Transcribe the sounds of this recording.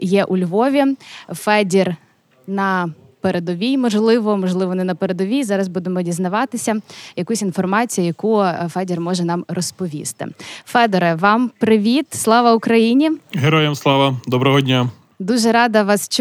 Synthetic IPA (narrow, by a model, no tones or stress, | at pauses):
jɛʔulʲʋɔʋʲifɛdʲir | nɐ | peɾed̪ɔʋʲijmɔʒlˠɪʋɔmɔʒlˠɪʋɔnɛnɐpeɾed̪ɔʋʲijzɑɾɐzbud̪emɔdʲiznɐʋɑt̪ɪsʲɐjɐkusʲinfɔrmɑt͡sʲijɐjɐkufɛdʲirmɔʒɛnɑmrɔspɔʋʲḭst̪ɪ̰fɛd̪ɔɾɛʋɑmpɾɪʋʲit̪slˠɑʋɐʊkɾɐjinʲiɦeɾɔjɛmslˠɑʋɐd̪ɔbɾɔɦɔdʲnʲa | d̪uʒɛɾɑd̪ɐʋɑst͡ʃ